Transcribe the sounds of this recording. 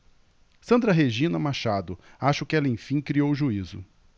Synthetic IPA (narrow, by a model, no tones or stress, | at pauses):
sɐ̃nd̪ɾɐɦeʒĩnɐmaʃad̪ʊaʃɐʊkɪɛlɐẽj̃fĩkɾiowʒuizʊ̰